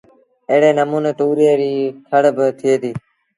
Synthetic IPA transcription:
eːɽeːnəmuːneːt̪uːɾeːɾiːk̪ʰəɽbət̪ʰɪeːt̪iː

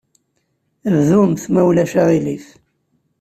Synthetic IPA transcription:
vðumθmæwlæʃaʁilif

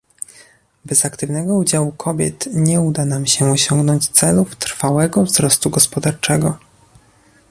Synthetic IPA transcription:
bɛzakt̪ɘvnɛɡɔud͡ʑawukʰɔbʲjɛ̰t̪ɲɛud̪anamɕɛɔɕɔŋɡnɔɲt͡ɕt̪sɛluft̪ɾfawɛɡɔvzɾɔst̪uɡɔspɔd̪aɾt͡ʂɛɡɔ

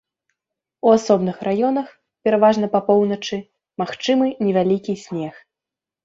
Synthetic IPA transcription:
uasɔbnɨxrajɔn̪ɐx | pʲɛɾavaʐn̪ɐpɐpɔwn̪ɐt͡ʂɨ | maxt͡ʂɨmɨnʲɛvʲalʲikʲisʲnʲɛx

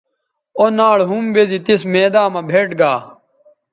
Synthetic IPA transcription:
onaːɭɦumbezit̪ismeːd̪aːmɐbʱeːʈɡaː

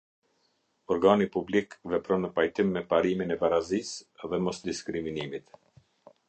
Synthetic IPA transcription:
ɔɾɡanipublikvɛpɾɔnəpajt̪imːɛpaɾiminɛpaɾazisɛðɛmɔsd̪iskɾiminimit̪

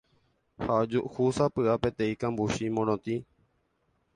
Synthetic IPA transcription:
haod͡ʒuʔhusapɨape̞t̪ẽ̞ĩkãmbuʃimõɾ̃õt̪i

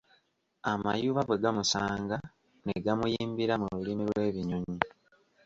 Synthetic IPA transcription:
amajuːβaβweɡamusaːŋɡa | neɡamujiːmbiɾamululimiɾwe̞ːβiɲoɲi

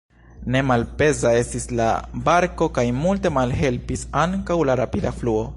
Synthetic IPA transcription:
ne̞malpe̞zae̞stisla̰baɾko̞kajmulte̞malɦe̞lpisaŋkawlaɾapidafluo̞

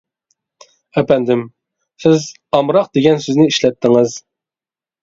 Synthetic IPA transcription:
ɛpʰɛnd̪ɪm | sɪz | ɑmɾɑq̚d̪eɡʲɛnsøznɪiʃlɛt̪ːɪŋɨz

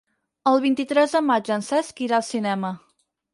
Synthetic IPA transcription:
əlˠβ̞int̪it̪ɾɛzðəmad͡ʒənsɛskiɾalˠsinɛmə

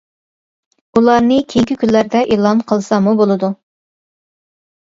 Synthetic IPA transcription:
ulˠɑɾnɨkʲʰejkʲikʲynlːæɾd̪ɛʔeːlˠɑnqʰəlˠsɑmubolˠɨd̪u

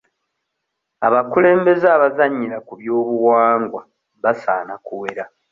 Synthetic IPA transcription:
a̰βakule̞ːmbe̞zaːβazaɲːiɾakuβjo̞ːβuwaːŋɡwa | βasa̰ːnakuwe̞ɾa

